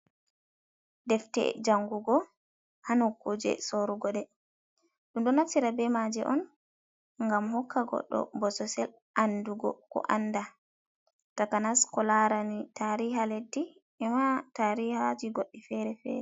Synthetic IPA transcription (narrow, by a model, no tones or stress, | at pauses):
dɛftɛ̰d͡ʒaŋɡuɡɔ | hanɔkːud͡ʒɛ̰soɾuɡɔɗɛ | ɗunɗɔnatːiɾabɛmad͡ʒɛ̰ʔɔn | ŋɡamhɔkʰːaɡɔ̰ɗːɔ̰bɔsɔsɛl | ʔanduɡɔ̰kɔ̰ʔanːda | takanaskɔlaɾanitaɾiɦaledːi | ɛmataɾihad͡ʒiɡoɗːifɛɾɛfɛ̰ːɾɛ